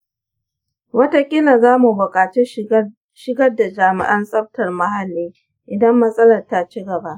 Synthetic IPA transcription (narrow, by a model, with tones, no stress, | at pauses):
wɐ˦ta˦kʲʼɪ˦na˨zaː˦mu˨bʊ˨kʼaː˨t͡ʃe˦ | ʃɪ˦ɡɐ˦rda˨d͡ʒaː˨mɪ̰˦ʔɐ˦nsʼɐ˦ɸ̚tɐ˨rmɐ˦ɦa˨lːiː˦ | ʔɪ˨dɐ˦mːɐ˦sʼɐ˦lɐ˨rta˦t͡ʃi˦ɡɐ˨ba˦ʔ